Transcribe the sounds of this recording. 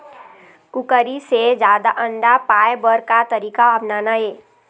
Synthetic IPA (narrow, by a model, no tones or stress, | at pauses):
kʊkəɾised͡ʒjaːd̪aʔə̃ɳɖapaːebəɾkat̪əɾiːkaəbnaːnaeː